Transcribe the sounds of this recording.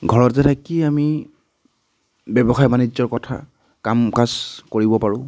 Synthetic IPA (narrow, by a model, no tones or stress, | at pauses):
ɡʱɔɹɔtzɛtakiami | bɛbɔxajmanid͡ʒzɔɹkɔtʰa̰ | kamkazkoɹibɔpaɹʊ̃